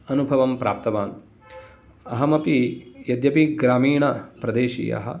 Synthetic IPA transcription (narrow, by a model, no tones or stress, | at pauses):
ɐnubʱɐʋɐmpɾaːp̚t̪ɐʋaːn | ɐɦɐmɐpijɐd̪jɐpiɡɾaːmiːɳɐpɾɐd̪eːʃḭːjɐ̰ɦɐ̰